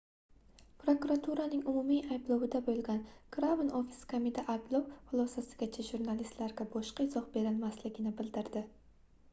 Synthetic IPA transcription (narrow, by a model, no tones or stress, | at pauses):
pɾokuɾat̪ʰuɾanɪŋʊmʊmiajblˠowɪd̪abolˠɡʲankɾavɪnofɪ̥skʰomɪd̪ʰaʔajblˠowχʊlˠɒsasɪ̥ɡʲat͡ʃʰɪʒuɾnalist̪laɾɡʲabɒʃqɑɪzɒq̚be̞ɾɪlˠmaslɪɡʲɪnɪbɪld̪ɪɾd̪ɪ